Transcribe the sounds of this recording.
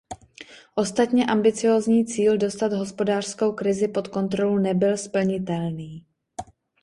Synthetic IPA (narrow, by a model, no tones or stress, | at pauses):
ʔo̞st̪at̪ɲɛʔambɪt͡sɪjo̞ːzɲiːt͡siːldo̞st̪ad̪ɦo̞spo̞daːr̝̥sko̞wkɾɪzɪpo̞t̪ko̞nt̪ɾo̞lunɛbɪlspl̩ɲɪt̪ɛlniː